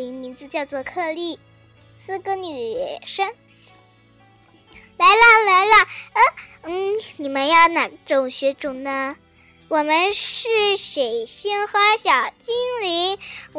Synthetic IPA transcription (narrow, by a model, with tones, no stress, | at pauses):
i˧˥ŋmi˧˥nt͡sɹ̩˧t͡ɕjɑ˥˧ʊt͡swɔ˥˧kʰɤ˥˧li˥˩ | sɹ̩˥kə˥ny˨˩ʂə˥ŋ | la˧˥ɪlə˥˧la˧˥ɪlə˥˩ə˥˧n̩˥˩ni˨˩mə˦njɑ˥˩ʊna˧˥˩ʈ͡ʂʊ˨˩ŋɕɥɛ˧˥ʈ͡ʂʊ˨˩ŋnə˧ | wɔ˨˩mə˧˦nʂɻ̩˥˩ʂe˨˩ɪɕi˥ŋxɤ˧˥ə˧˥ɕjɑ˨˩ʊt͡ɕi˥ŋli˧˥n